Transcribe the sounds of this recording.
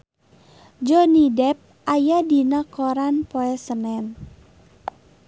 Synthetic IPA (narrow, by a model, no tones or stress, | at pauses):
d͡ʒɔnidɛp̚ʔajadinakɔɾanpoɛsənɛn